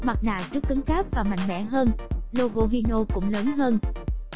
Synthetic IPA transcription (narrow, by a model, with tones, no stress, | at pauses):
ma˨˩t̚na̰ː˧˨wt͡ɕɨ˦˥kːɨ˨˦ŋxaː˦˥p̚vaː˨˩ma̰˧˨jŋ̟mɛ̰˧˥ɦəː˧nlo˧ɣo˧ɦi˧no˧kʊ̰˧˥ŋ͡mləː˨˦nɦəː˧n